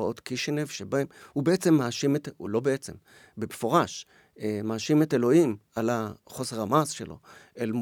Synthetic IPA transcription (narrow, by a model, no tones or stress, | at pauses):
ao̞t̪kiʃenevʃebahemhubeet͡se̞mːaaʃimetṵlo̞beet͡se̞̰m | bemefo̞ʁaʃ | maaʃimetelo̞imalaχo̞se̞ʁamasʃḛlo̞̰ʔelm